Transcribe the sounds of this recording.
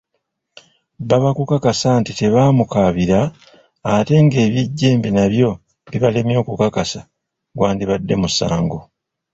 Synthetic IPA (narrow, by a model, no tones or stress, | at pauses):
baβakukakasaːntite̞βaːmukaβiɾaː | te̞ŋɡe̞ːβjiɟːe̞ːmbinaβjo̞ | βiβalemjo̞ːkukakasa | ɡwaːndiβadːe̞musa̰ːŋɡo